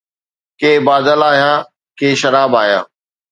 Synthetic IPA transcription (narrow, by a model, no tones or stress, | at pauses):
keːbaːd̪əlaːɦijãː | keːʃɐɾaːbaːɦijã̰ː